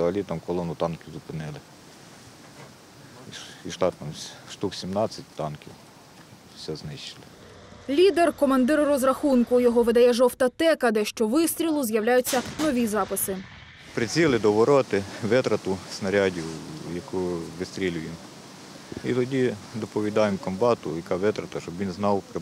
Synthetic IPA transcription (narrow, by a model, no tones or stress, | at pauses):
ɔɐlʲit̪ɐmkɔlˠɔnʊt̪ɑnkɪzʊpɪnɪlˠɪ | iiʃlˠɑt̪ɑmʃt̪uksʲimnɑt͡sʲːɐt̚ʲt̪ɑnkʲɪw | sʲɛznɪʃt͡ʃɪ̥lˠɪ | lʲid̪erkɔmɐnd̪ɪɾrɔzrɐxunkʊjɔɦɔʋɪd̪ɐjɛʒɔwt̪ɐt̪ɛkɐd̪ɛʃt͡ʃɔʋɪst̪ʲɾʲilˠʊzjɐwlʲajʊt͡sʲːɐnɔʋʲizɑpɪsɪ | pɾɪt͡sʲilˠɪd̪ɔʋɔɾɔt̪ɪʋɪt̪ɾɐt̪ʊsnɐɾʲɑdʲiwjɐkuʋɪst̪ɾʲilʲʊjɪm | it̪ɔdʲid̪ɔpɔʋʲid̪ɑjemkɔmbɑt̪ʊjɐkɑʋɪt̪ɾɐt̪ɐʃɔbʋʲinznɑwkɾɪ